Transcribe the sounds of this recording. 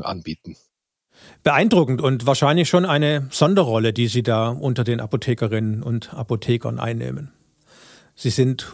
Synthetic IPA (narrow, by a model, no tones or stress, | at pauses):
ʔa̰nbiːtn̩ | b̥əʔaɪndʁʊkŋ̩tʊntv̥aːɐʃaɪnlɪçʃoːnaɪnəz̥ɔndɐʁɔlədiːziːdaːʔʊntɐdeːnʔa̰potʰɛːkɐʁɪnənʊ̰ntʔa̰potʰɛːkɐ̰nʔa̰ɪnːḛːmən | z̥iːzɪnt